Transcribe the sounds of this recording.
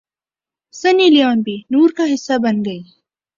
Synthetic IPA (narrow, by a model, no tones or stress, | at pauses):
sɐnilijɑːnbinuːɾkaɦɪsːabɐnd̪əj